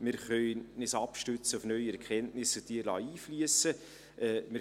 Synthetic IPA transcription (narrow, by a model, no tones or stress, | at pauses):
mɪɾχœʏnɪsɑpʃtøt͡səufnœʏɛɾkʰɛntnɪsət̪iəɾlɑ̰ːiːflyəsə | ʔɛːmɪ